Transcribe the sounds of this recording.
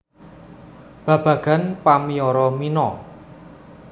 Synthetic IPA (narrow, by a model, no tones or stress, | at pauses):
b̥ä̤b̥ä̤ɡ̥a̤npamiɔɾɔminɔ